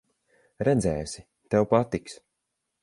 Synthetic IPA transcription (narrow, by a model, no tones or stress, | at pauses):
ɾɛd̪zɛːsi | t̪ɛwpat̪iks